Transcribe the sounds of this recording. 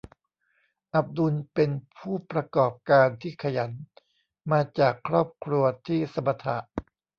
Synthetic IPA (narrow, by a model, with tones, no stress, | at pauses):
ʔa˨˩p̚du˧npe˧npʰuː˥˩pɾa˧kɔː˨˩p̚kaː˧nt̪ʰiː˥˩kʰa˧ja˩˦n | maː˧t͡ɕaː˨˩kʰɾɔː˥˩p̚kʰɾu˧ɐt̪ʰiː˥˩sa˧˦mːa˧t̪ʰa̰˨˩ʔ